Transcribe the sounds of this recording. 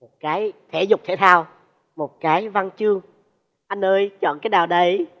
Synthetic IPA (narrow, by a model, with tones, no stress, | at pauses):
mo˨˩t̚kaː˨˦jt̪ʰe˧˩˦zʊ˨˩k͡p̚t̪ʰe˧˩t̪ʰaː˧w | mo˨˩t̚kaː˨˦jva˧nt͡ɕɨ˧əŋ | ʔa˧jnʔəː˧jt͡ɕɔ̰˧˨nkaː˨˦jɗaː˨˩wɗə˨˦j